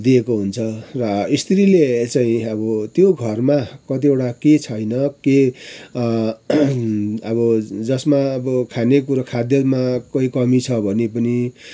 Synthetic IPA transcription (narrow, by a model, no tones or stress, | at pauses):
d̪iekoɦunt͡sʰʌrʌist̪ʰɾilet͡saĩʌbʌt̪joɡʱʌrmakʌt̪̬ieʈaket͡sʰʌjnʌke | ʌbʌd͡zʌsmaʌbʌkʰanekuɾʌkʰad̪jʌmakʌikʌmit͡sʰʌbʱʌnepʌni